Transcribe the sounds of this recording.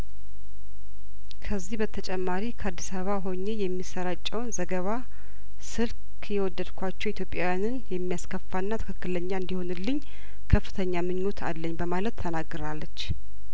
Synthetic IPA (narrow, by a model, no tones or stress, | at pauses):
kʰəzːihbət̪ʰət͡ʃʼɛmːaɾikʰəad̪ːisaβəβaɦo̞ɲːe̞jɛmːisəɾat͡ʃʼːɛwnzəɡəβa | sɨlk | jɛwɔd̪ːəd̪kʰʷat͡ʃːɛwit̪ʰjo̞pʼjawjanɨnjɛmːijaskʰəfːanːat̪ʰɨ̥kɨkːɨləɲːaɨnd̪iho̞nɨlːɨɲː | kʰəfːɨ̥t̪ʰəɲːamɨɲːot̪ʰa̰lːəɲːbəmalət̪ʰːənaɡːɨɾalːət͡ʃː